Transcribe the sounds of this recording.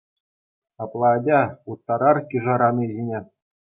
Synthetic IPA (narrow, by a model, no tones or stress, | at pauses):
ɑplˠɑːdʲɑut̪ːɑɾɑrkʲiʐɑɾɑnɤʑʲinʲe